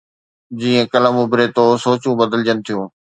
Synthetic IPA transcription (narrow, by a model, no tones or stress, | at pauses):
d͡ʑiːə̃kɐləmʊbɪɾet̪oːsoːt͡ɕũbəd̪əld͡ʑənɪ̆t̪ʰijõː